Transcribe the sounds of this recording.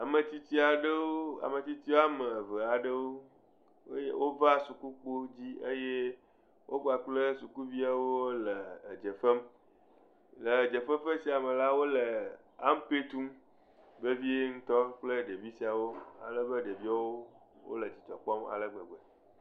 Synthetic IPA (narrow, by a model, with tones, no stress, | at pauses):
a˨mə˨t̪i˦t̪i˦a˨ɖə˦wo˦a̰˨me˨t̪i˦t̪i˦wo˦a˦mə˨və˨a˨ɖə˦wo˦ | e˦je˦wʔo˦va˦su˨ku˦k͡po˦d͡ʑi˦ḛ˦je˦ | wʔo˦ɡ͡ba˨k͡plə˦su˨ku˦vi˦a˨wo˦lə˨d͡ʒə˨fə˦m | lə˨d͡ʒə˨fə˦mfə˦si˨a˨mə˨la˦wo˦lə˨ | a̰˦m˦pe˦t̪u˦m | be˦vi˦e˦ŋ̩˦t̪ɔ˦k͡plə˦ɖe˨vi˦si˨a˨wo˦a̰˨lə˦bə˦ɖe˨vi˦a˦wo˦wo̰˦lə˨t͡ɕi˨t͡ʃɔ˨k͡pɔ˦ma̰˨lə˦ɡ͡bə˨ɡ͡be˨